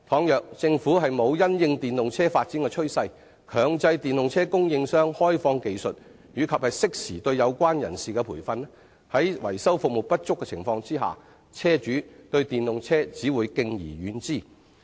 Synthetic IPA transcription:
t̪ʰɔː˨˧ŋjœː˨k̚t͡sɪ˧ŋfuː˨˥ɦɐ˨jmo˨˧wjɐ˥njɪ˧ŋt̪iː˨nlʊ˨ŋt͡sʰɛː˥faː˧t̚t͡siː˨˥nkɛː˧t͡ʃʰɵ˥ɥsɐ˧j | kʰœː˨˧ŋt͡sɐ˧jt̪iː˨nlʊ˨ŋt͡sʰɛː˥kʊ˥ŋjɪ˧ŋsœː˥ŋhɔː˥jfɔː˧ŋke˨jsɵ˨t̚ | jyː˨˧kʰɐ˨p̚hɐ˨jsɪ˥k̚siː˨˩t̪ɵ˧ɥjɐ˨˧wkʷaː˥njɐ̰˨˩nsiː˨˩kɛ˧pʰuː˨˩jfɐ˧n˥ | hɐ˨˥jwɐ̰˨˩jsɐ˥wfʊ˨k̚mo˨˩w̚pɐ˥t̚t͡ʃʊ˥kːɛ˧t͡sʰɪ̰˨˩ŋfɔː˧ŋt͡siː˥ɦa̰ː˨˩ | t͡sʰɛː˥t͡ʃyː˨˥t̪ɵ˧ɥt̪iː˨˩nlʊ˨ŋt͡sʰɛː˥t͡siː˨˥wuː˨˧jkɪ˧ŋjḭː˨˩ɥyː˨˥nt͡siː˥˩

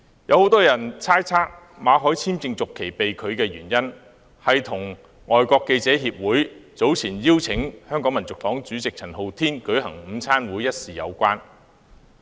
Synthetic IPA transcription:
jɐ˨˧who˨˥wt̪ɔː˥jɐ˨˩nt͡sʰaː˥jt͡sʰaː˥k̚ | maː˨˧ɦɔː˨˥jt͡sʰiː˥mt͡sɪ˧ŋt͡sʊ˨kʰːe˨˩jpe˨jkʰɵ˨˧ɥkɛː˧jyː˨˩njɐ˥n | hɐ˨jt̪ʰʊ˨˩ŋ | ŋʔɔː˨jkʷɔː˧kːe˧jt͡sɛː˨˥ɦiː˧p̚wuː˨˥jt͡so˨˥wt͡sʰiː˨˩njiː˥wt͡sʰɪ˨˥ŋhœː˥ŋkɔː˨˥ŋmɐ˨˩nt͡sʊ˨k̚fɔː˨˥ŋt͡syː˨˥t͡sɪ˨k̚t͡sʰɐ˨˩nɦo˨˧wt̪ʰiː˥nkɵ˨˥ɥɦɐ˨˩ŋm̩ː˨˧˥t͡sʰaː˥nwuː˨˥jɐ˥t̚siː˨jɐ̰˨˧wkʷaː˥n

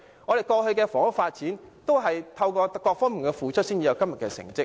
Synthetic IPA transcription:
ŋɔː˨˧ɾe˨jkɔː˧hɵ˧ɥkɛː˧fɔː˨˥ŋʊ˥faː˧t̚t͡siː˨˥nt̪o˥wɦɐ˨jt̪ʰɐ˧wkɔː˧kːɔː˧k̚fɔː˥ŋmiː˨˩nkɛː˧fuː˨t͡ʃʰɵ˥t̚siː˥nt͡siː˨˧jɐ˨˧wkɐ˥mjɐ˨t̚kɛ˧sɪ̰˨˩ŋt͡sɪ˥k̚

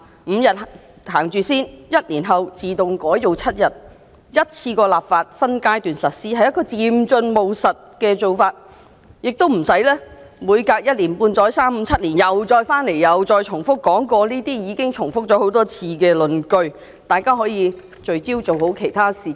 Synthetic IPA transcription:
m̩˨˧jɐ˨t̚h | haː˨˩ŋt͡ʃyː˨˧siː˥njɐ˥t̚liː˨˩nɦɐ˨wt͡siː˨t̪ʊ˨ŋkɔː˨˥jto˨wt͡sʰɐ˥t̚jɐ˨t̚ | jɐ˥t̚t͡sʰiː˧kɔː˧laː˨p̚faː˧t̚fɐ˥nkaː˥jt̪yː˨nsɐ˨t̚siː˥hɐ˨jːɐ˥t̚kɔː˧t͡siː˨mt͡ʃɵ˧nmo˨wsɐ˨t̚kɛː˧t͡so˨wfaː˧t̚ | jɪ˨k̚t̪o˥wm̩˨˩sɐ˨˥jlɛː˥ | muː˨˧jkaː˧k̚jɐ˥t̚liː˨˩npuː˧nt͡sɔː˨˥jsaː˥m̩˧t͡sʰɐ˥t̚liː˨˩njɐ˨wt͡sɔː˧jfaː˥nle˨˩jjɐ˨wt͡sɔː˧jt͡ʃʰʊ˨˩ŋfʊ˥kːɔː˨˥ŋkɔː˧niː˥t̪iː˥jiː˨˧kɪ˥ŋt͡ʃʰʊ˨˩ŋfʊ˥k̚t͡sɔː˨˥ho˨˥wt̪ɔː˥t͡sʰiː˧kɛː˧lɵ˨nkɵ˧ɥ | t̪aː˨jkaː˥ɦɔː˨˥jiː˨˧ | t͡ʃɵ˨ɥt͡siː˥wt͡so˨who˨˥wkʰe˨˩jt̪ʰaː˥siː˨˩

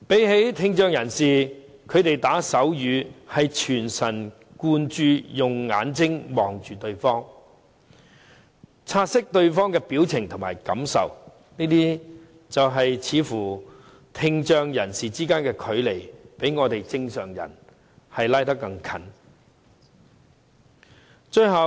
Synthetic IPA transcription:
pe˨˥jhe˨˥jt̪ʰɪ˧ŋt͡ʃœː˧ŋjɐ˨˩nsiː˨ | kʰɵ˨˧ɥt̪e˨jt̪aː˨˥sɐ˨˥wjyː˨˧hɐ˨jt͡ʃʰyː˨˩nsɐ˨˩n | kuː˧nt͡ʃyː˨˧jʊ˨ŋːaː˨˧nt͡sɪ˥ŋmɔː˨˩ŋt͡ʃyː˨t̪ɵ˧ɥfɔː˥ŋ | t͡sʰaː˧t̚sɪ˥k̚t̪ɵ˧ɥfɔː˥ŋkɛː˧piː˨˥wt͡sʰɪ˨˩ŋt̪ʰʊ˨˩ŋmaː˨˩jkɐ˨˥msɐ̰˨w | niː˥t̪iː˥ | t͡sɐ˨wɦɐ˨jt͡sʰiː˨˥fuː˨˩ | t̪ʰɪ˧ŋt͡ʃœː˧ŋjɐ˨˩nsiː˨t͡siː˥kaː˥nkɛː˧kʰɵ˨˧˥ɥle˨˩jpe˨˥jŋɔː˨˧t̪e˨jt͡sɪ˧ŋsœː˨˩ŋjɐ̰˨˩n | hɐ˨jlaː˥jt̪ɐ˥kːɐ˧ŋkʰɐ˨˥n | t͡ʃɵ˧ɥɦɐ˨w

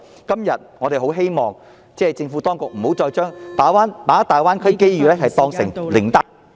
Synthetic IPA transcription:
kɐ˥mjɐ˨t̚ŋɔ˨˧e˨jɦo˨˥wɦe˥jmɔː˨˩ŋ | t͡sɛː˥˩t͡sɪ˧ŋfu˨˥t̪ɔː˥ŋkʊ˨k̚m̩˨˩ho˨˥wt͡ʃɔː˧jt͡ʃœː˥ŋp̪aː˨˥waː˥npaː˨˥t̪aː˨jwaː˥nkʰɵ˥ke˥jɥyː˨˩lɛː˥ɦɐ˨jt̪ɔː˧ŋsɪ˨˩ŋlɪ˨˩ŋt̪a˥

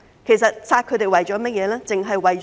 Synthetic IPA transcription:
kʰe˨˩sɐ˨t̚saː˧t̚kʰɵ˨˧t̪e˨jwɐ˨˩jt͡ʃɔː˨˧˥mɐ˥t̚jɛː˨˧lɛː˥t͡sɪ˨ŋɦɐ˨jwɐ˨jt͡ʃ

